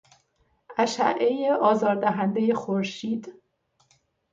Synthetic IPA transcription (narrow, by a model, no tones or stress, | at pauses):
ʔæʃæ̰ʔejeʔɒːzɒːɾd̪æɦænd̪eje̞xoɾʃiːd̪